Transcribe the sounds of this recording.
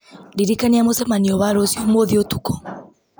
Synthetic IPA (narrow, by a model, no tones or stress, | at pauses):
diɾikaniamosɛmaniɔβaɾɔsiɔmwoðiotukɔ̥